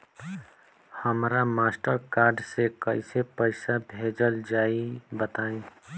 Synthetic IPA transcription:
həmɾamaːsʈəɾkaːɾɖsekəɪsepəɪsabʱeːd͡ʒəld͡ʒaːibət̪aːẽ

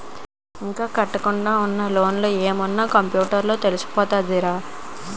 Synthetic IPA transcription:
iŋkaːkɐʈːɐkuɳɖaːunːɐlo̞ːnloːeːmɐnːaːkɐmpjuːʈɐɾlo̞ːt̪e̞lusu̥pɔːt̪aːd̪iɾaː

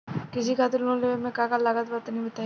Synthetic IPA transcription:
kɪs̬ikʰaːt̪ɪɾnõleemẽkakalaːɡət̪bat̪nɦĩbɐt̪aː

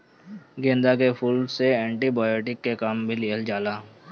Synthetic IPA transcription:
ɡẽːnd̪akepʰuːlseɛ̃ːɳʈibaːjoːʈɪkːekaːmbʱiliəld͡ʒaːlaː

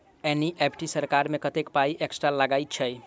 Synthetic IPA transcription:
eniʔepʰʈisəɾkaɾmekət̪ekpaiʔeksʈɾaləɡajt̪̚t͡ʃʰəj

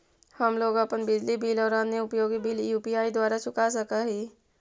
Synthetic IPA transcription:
həmloːɡəpənbɪd͡ʒlibʱiːlɔːɾaːneʊpjoːɡibʱiːljuːpijaːid̪waːɾasʊkasəkaɦiː

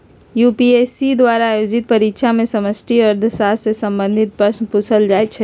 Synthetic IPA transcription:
jupiesid̪waɾaːjod͡ʒit̪̚pəɾikʃʰamẽsəməsʈʰiəɾd̪ʱəsasesə̃mbə̃nd̪ʱit̪̚pɾəsnpusʰəld͡ʒaːt̪t͡ʃʰɛ

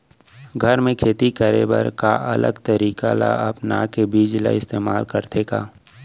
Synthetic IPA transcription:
ɡʱəɾmẽkʰeːt̪ikəɾḛbə̰ɾkaʔɐlə̰ɡt̪əɾiːkala̰ɐpna̰kebiːd͡ʒla̰ɪst̪eːmaːlkəɾt̪ʰeːkaː

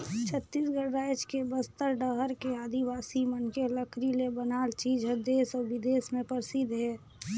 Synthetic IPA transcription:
t͡ʃʰət̪ːiːsɡəɾːaːjt͡ʃkebəst̪əɾɖəɦəɾkeaːd̪ʱiʋaːsimənkeləkʰɾilebənaːlt͡ʃiːd͡ʒɦɛd̪eːsɔɾʋɪd̪eːsmẽpəɾsid̪ʱɦɛː

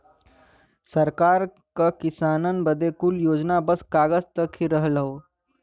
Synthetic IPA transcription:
səɾkaɾ | kəkisanənbəd̪ʱekuljod͡ʑnabəskaɡəst̪əkʰːiɾəɦləɦo

